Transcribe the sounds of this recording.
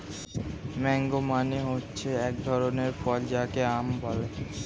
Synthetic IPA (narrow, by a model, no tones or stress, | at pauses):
mɛŋɡomaneɦotːɕʰeɛk̚d̪ʱɔɾoneɾfɔld͡ʑakeambɔle